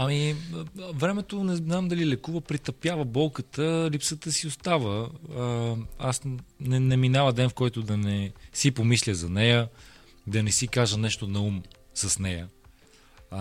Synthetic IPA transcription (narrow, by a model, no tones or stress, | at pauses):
ɐmi | vɾɛmɛt̪onɛnamd̪ɐlilɛkuvəpɾit̪ɐpjavəbɔlˠkət̪əlipsət̪əsiost̪avə | asnɛnɛminavəd̪ɛnfkɔjt̪ʊd̪ɐnɛsipomislʲəzɐnɛjə | d̪ɐnɛsikaʒənɛʃt̪onɐum | səsnɛjə